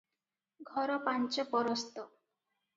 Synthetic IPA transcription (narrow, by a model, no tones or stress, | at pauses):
ɡʱɔɾɔpant͡ʃɔpɔɾɔst̪ɔ